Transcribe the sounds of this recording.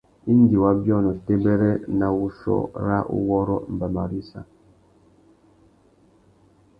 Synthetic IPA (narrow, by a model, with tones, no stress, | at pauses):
i˦n˦di˨wa˦bjɔ˦nɔ˨te˦bɛ˦ɾɛ˦na˨wu˦ʃɔ̰˦ɾa˦ʔṵ˦wɔ˦ɾɔ˦m̩˨ba˨ma˨ɾi˦sa̰˨